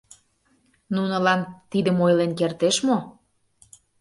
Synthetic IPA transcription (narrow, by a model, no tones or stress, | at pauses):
nunɤ̆lɑnt̪id̪əmojlenkert̪eʃmo